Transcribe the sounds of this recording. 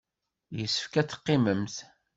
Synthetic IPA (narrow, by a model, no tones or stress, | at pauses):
jəsːə̥fkæt͡sːə̥qːɪməmθ